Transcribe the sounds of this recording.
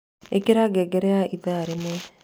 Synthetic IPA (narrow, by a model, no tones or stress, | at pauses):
ekiɾaɡɛɡɛɾɛaʔiðaɾimɛ